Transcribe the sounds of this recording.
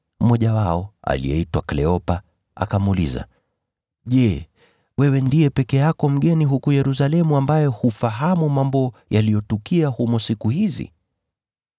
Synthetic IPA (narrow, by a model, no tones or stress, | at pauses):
mɔʄawaɔa̰lḭjɛ̰itwaklɛɔpa | a̰kamːlḭza̰ | ʄɛ | wɛwɛndijɛpɛkɛjakɔm̩ɠɛniɦukujɛɾusalɛmuambajɛhufaɦamumambɔjalijɔtukiahumɔsikuhizḭ